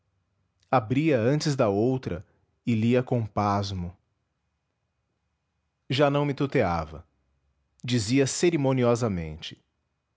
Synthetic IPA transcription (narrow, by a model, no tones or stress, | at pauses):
abɾiɐɐ̃nt͡ʃɪzd̪ɐowt̪ɾɐ̰ | ɪliɐkõpazmʊ | ʒanɐ̃w̃mɪt̪ut̪eavɐ̰ | d͡ʒiziɐseɾimõniɔzɐmḛ̃nt͡ʃɪ̥